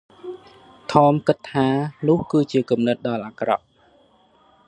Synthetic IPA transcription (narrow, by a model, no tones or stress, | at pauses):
t̪ʰɑːmkɨt̪ʰːaːnʊ̆əhkɨːt͡ɕiəkumnɨt̪̚ɗɑlʔaːkrɑ̰ʔ̚